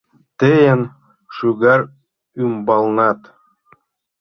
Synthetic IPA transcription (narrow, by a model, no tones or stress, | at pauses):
t̪ejən | ʃuɡɑɾ | ymbɑlˠnɑt̪